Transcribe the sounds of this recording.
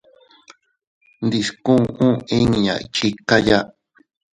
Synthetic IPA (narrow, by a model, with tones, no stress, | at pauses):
nd̪i˧skũ˦˧ʔũ˦ĩ˦ɲĩ˨jã̰˨ʔḭ˨˧t͡ʃi˧ka˦ja˦